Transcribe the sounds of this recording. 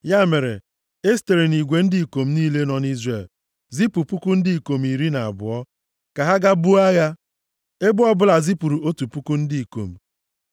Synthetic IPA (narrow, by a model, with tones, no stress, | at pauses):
ja˦˨me˨ɾḛ˨ | e˦s̬te˨ɾe˨ni˨ɡʷe˨n̩˦di˦i˨ko˨m̩˦niː˦le˦nɔ˨ni˦zre˨l | zi˦pu˨pu˦ku˦n̩˦dɪ˦i˨ko˨m˨i˨ɾi˦na˨a̰˨bʊ̰˨ɔ˦ | ka˨ɦa˦ɡa˦bu˦a˦ɣa˦ | e˦bʊ˦ɔ˦bʊ˦la˨zi˦pu˨ɾu˨o˦tu˨pu˦ku˦n̩˦di˦i˨ko̰˨m̩˨